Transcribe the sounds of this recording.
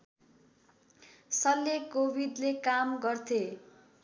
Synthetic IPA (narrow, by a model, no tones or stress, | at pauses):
sʌlːekobʱid̪lekamɡʌrt̪ʰe